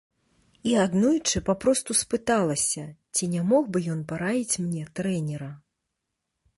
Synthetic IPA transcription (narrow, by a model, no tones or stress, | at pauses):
iad̪nujut͡ʂɨpapɾɔst̪uspɨt̪alˠɐsʲɐt͡sʲinʲamɔxbɨjɔnpaɾavʲit͡sʲmnʲɛt̪ɾɛnʲɛɾɐ